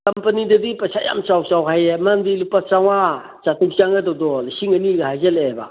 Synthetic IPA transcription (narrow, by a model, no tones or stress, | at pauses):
kampɐnidadipasaja̰mt͡ʃawt͡ʃawɦajemandilupat͡ʃaŋa | t͡ʃatuk̚t͡ʃaŋadɔdɔlsiŋaniɡahajzeleba̰